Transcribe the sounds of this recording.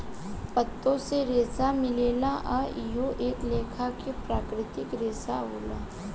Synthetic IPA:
pət̪ːõseɾeːsamɪleːlaʔaɪjoʔeːkleːkʰakepɾaːkɾɪt̪ɪkɾeːsaɦoːla̰ː

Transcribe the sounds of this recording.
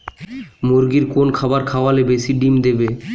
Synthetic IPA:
moɾɡiɾkonkʰabaɾkʰaoalebesiɖimd̪ebe

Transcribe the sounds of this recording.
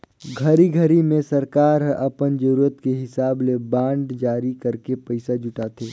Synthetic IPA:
ɡʱəɾiɡʱəɾimẽsəɾkaːɾɦʔɐpənd͡ʒəɾuːɾət̪keɦɪsaːblebãːɳɖd͡ʒaːɾikəɾkepəɪsad͡ʒʊʈaːt̪ʰeː

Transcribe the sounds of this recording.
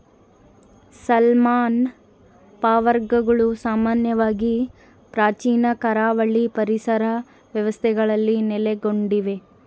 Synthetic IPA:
sɐlmaːn | paːʋɐɾɡɐɡɐɭusaːmaːnjɐʋaːɡi | pɾaːt͡ʃiːnɐkɐɾaːʋɐɭipɐɾisɐɾɐ | ʋjɐʋɐst̪ʰɛɡɐɭɐlːinɛleɡo̞ɳɖiʋe̞

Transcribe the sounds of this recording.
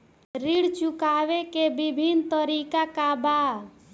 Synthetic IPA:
ɾiɽt͡ʃʊkaːʋekebɪbʱint̪əɾiːkakabaː

